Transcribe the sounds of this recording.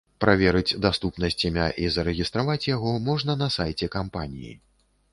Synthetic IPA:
pɾavʲɛɾɨt͡sʲd̪ast̪upnɐsʲt͡sʲimʲaʔizɐɾɛɣʲist̪ɾavat͡sʲjaɣɔmɔʐnɐnɐsajt͡sʲɛkampanʲijḭ

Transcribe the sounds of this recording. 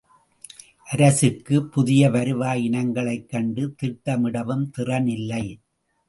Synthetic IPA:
ʔɐɾɐsɯkːɯpʊðɪjɐʋɐɾɯʋaːjɪnɐŋɡɐɭɐɪkːɐɳɖɯt̪ɪʈːɐmɪɽɐʋɯmt̪ɪrɐnɪlːɐɪ

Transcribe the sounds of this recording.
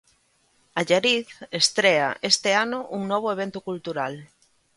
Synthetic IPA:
aʎaɾiθest̪ɾea̰ʔest̪ɪanʊʔuŋnɔβ̞oeβ̞ent̪okult̪uɾal

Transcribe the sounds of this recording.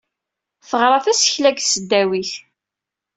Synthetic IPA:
θəʁɾˤɑθæsəçlæɡsəd̪ːæwiθ

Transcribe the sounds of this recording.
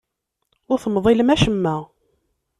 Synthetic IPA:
ʊɾθəmːðˤiləmæʃəmːæ

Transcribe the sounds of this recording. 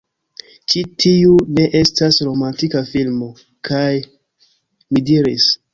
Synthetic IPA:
t͡ʃitʰiune̞ʔe̞stasɾo̞mantikafilmo̞ | kʰaj | midiɾḭs

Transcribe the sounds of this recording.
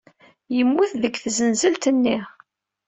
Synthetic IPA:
jəmːuθðəkːθzənzəlt̪ənːiʁ

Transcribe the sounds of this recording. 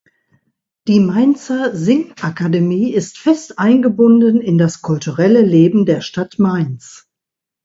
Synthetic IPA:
d̥iːmaɪnt͡sɐzɪŋʔakademiːɪstfɛstʔaɪnɡəbʊndənɪndaskʰʊltuʁɛləleːbm̩deːɐʃtatmaɪns

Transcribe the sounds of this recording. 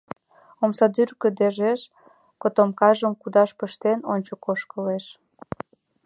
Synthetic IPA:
omsɑd̪yrkə̆d̪eʒeʃ | kot̪omkɑʒəmkud̪ɑʃpəʃt̪enonʲt͡ɕokoʃkəleʃ

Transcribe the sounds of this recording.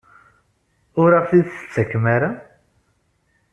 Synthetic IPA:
ʊɾafθiðθə̥t͡sːəkːmaɾa

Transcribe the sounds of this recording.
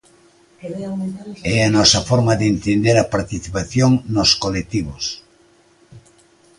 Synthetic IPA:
ɛɐnɔsɐfɔɾmɐðent̪end̪eɾɐpaɾt̪iθipaθjoŋnoskolek̚t̪iβ̞os

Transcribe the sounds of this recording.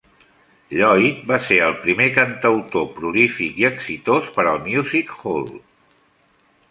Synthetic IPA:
ʎɔjt̪̚baseəlˠpɾimekənt̪əwt̪opɾulifikiəksit̪ospəɾəlˠmjuzikhol

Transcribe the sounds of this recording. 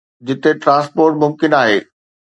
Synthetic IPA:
d͡ʑɪt̪eʈɾãːspoːɾʈmʊmkɪnaːɦeː

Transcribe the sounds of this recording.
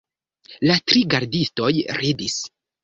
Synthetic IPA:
latɾiɡaɾdisto̞jɾidis

